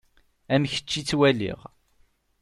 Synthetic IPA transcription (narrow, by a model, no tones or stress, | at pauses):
æmçə̥t͡ʃːit͡sːwælḭʁ